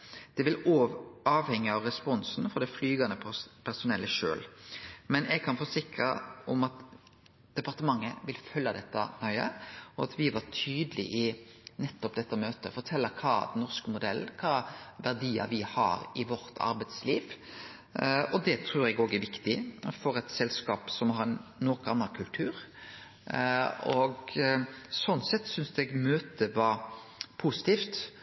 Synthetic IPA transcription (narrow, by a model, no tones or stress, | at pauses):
d̪̥ɛʋɪloːɑːʋhɛŋːəɑʋɾɛspɔnsnfɔɾd̪ɛflyːɡɑnəpʰæɾsʊnɛlːəʃø̰ːlmɛnɛɡ̚kʰɑnfɔsɪkɾəʔɔmɑt̪ | d̪̥ɛpɑɾt̪əmɑŋːəʋɪlfœlːɑd̪ɛt̪ːɑ̰nœʏə̰ɔɑt̪ʰʋɪʋɑɾt̪ʰyːd̪əlɪ̰ʔɪnɛt̪ːɔp̚d̪ɛt̪ːəmøːt̪əfɔɾt̪ʰɛlːəkʰɑ̰ːd̪ɛnːɔɾskəmʊd̪ɛl̩kʰɑːʋæʁd̪iːɑ̰ʋɪhɑ̰ɾɪʋɔɾt̪ʰɑ̰ɾbæɪt̪sliːʋ | ɔd̪ɛt̪ʰɾʉːɾɛɡoːɡæɾʋɪkt̪ɪfɔɾɛt̪sɛlskɑːpsɔmhɑɾnnːɔkɑnːɑkʰʉlt̪ʰʉːɾ | ɔɡ | sɔnːsɛt̪ːsʏnsd̪ɛɡmøːt̪əʋɑɾ | pʰusɪ̥t̪iːft̪